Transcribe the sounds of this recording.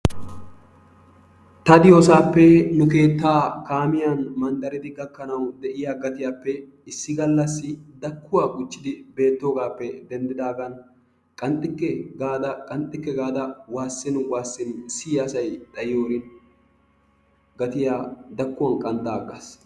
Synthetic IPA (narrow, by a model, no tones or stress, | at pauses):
t̪ɐd̪ɪjoːsaːpːɛnʊke̞ːt̪ːaːkaːmɪjɐnmɐnt̪ʼɐɾɪd̪ɪɡɐkːɐnɐwd̪ɛʔɪjaːɡɐt̪ɪjaːpːɛ | ɪsːɪɡɐlːɐsːɪd̪ɐkːʊwaːɡʼʊt͡ʃːɪd̪ɪbe̞ːt̪ːo̞ːɡaːpːɛd̪ɛnd̪ɪd̪aːɡɐn | kʼɐnt̪ʼːɪkːɛɡaːd̪ɐkʼɐnt̪ʼːɪkːɛɡaːd̪ɐwaːsːɪnwaːsːɪnsɪjɐsɐjd̪ɐjɪjoːɾɪn | ɡɐt̪ɪjaːd̪ɐkːʊwɐnkʼɐnt̪ʼːaːɡːɐs